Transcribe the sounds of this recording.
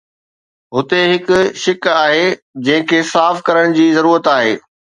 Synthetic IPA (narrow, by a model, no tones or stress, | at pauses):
ɦʊt̪eɦɪkʊ̆ʃɪkaːɦe | d͡ʑɐ̃ɦɪ̃kʰeːsaːfkɐɾəɽ̃d͡ʑiːzɐɾuːɾət̪aːɦḛː